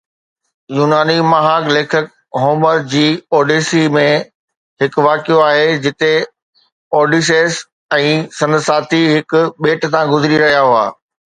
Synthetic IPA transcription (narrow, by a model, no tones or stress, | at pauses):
juːnaːnimɐɦaːɡleːkʰək̚ | ɦoːməɾd͡ʑiːɔːɖiːsimẽ | ɦɪkʋaːkijoaːɦed͡ʑɪt̪e | ɔːɖiːs̬eːs | ɛ̃ːsɐ̃nd̪saːt̪ʰiɦɪkʊɓeːʈsãɡʊzɾiɾɐɦijaɦua̰ː